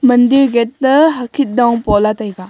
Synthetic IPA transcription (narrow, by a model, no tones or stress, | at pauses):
mɐndiɾɡet̚ːəɦɐkʰit̚dɔwpɔlatajɡa